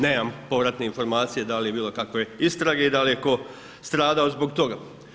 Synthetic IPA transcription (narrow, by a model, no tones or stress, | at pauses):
ne̞ːmampo̞ʋɾat̪neinfo̞ɾmaːt̪sije̞d̪alijebiːlo̞kakʋe̞ist̪ɾaɡe̞id̪alijeko̞ | st̪ɾaːd̪aozbo̞ɡt̪o̞ɡa